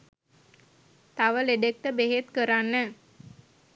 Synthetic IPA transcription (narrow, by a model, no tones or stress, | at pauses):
t̪aʋəleɖek̚ʈ̪əbeɦet̪kəɾanːə